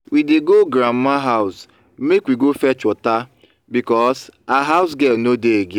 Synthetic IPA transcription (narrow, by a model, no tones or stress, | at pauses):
wideɡoɡɾam̩maɦaʊs | mekwiɡofɛt͡ʃɔta | bikɔsaɦaʊs̬ɡɛlnodeeɡe